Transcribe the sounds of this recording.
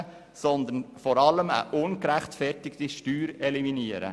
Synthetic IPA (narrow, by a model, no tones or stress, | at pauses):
sɔnd̪ənfɔɾɑləmə̰ʔʊnkɾæχt̪fɛrtɪkt̪iʃtyːɾɛliminiəɾə̰